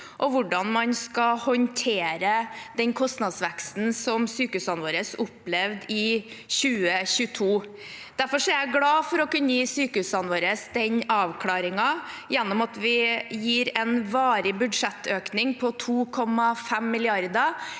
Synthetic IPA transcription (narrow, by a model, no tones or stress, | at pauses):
ʔɔʋʊɖɑnmɑnskɑhɔnt̪ʰeːɾəd̪̥ɛnkʰɔst̪nɑd̪sʋækst̪n̩sɔmsyːkəʉːsɑnʋoːɾəsʊpːlɛʋd̪ɪ | çʉːəçʉːt̪ʰuː | d̪̥æɾfɔʂɔɛæɾjæɡɽɑːfɔɾɔkʉnːəjiːsyːkəʉːsɑnʋoːɾəsd̪ɛɲɑːʋkʰlɑːɾɪŋɑjɛnːɔmɑt̪ʋɪjiːɾɛnʋɑːɾɪbʉd̪ʂɛt̪ʰːøːknɪŋpʰɔt̪ʰuːkʰɔmːɑfɛmːɪlɪɑɾd̪ə